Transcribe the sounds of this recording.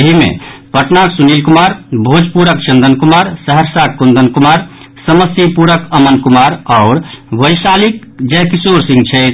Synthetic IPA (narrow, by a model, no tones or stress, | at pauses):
ɦimḛpəʈnaksunilkumaɾbʱod͡ʒpuɾəkt͡ʃənd̪ənkumaɾsəɦəɾsakkund̪ənkumaɾ | səməsipuɾəkəmənkumaɾɔʊɾʋəjsalik | d͡ʒɛɦkisoɾsĩŋɡt͡ʃʰɛt̪